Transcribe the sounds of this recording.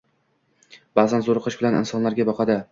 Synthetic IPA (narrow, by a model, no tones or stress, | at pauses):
b̥azanzoɾqʰɨʃbɪlanɪ̰nsɒnlaɾɡʲabɒqʰɑd̪ɪ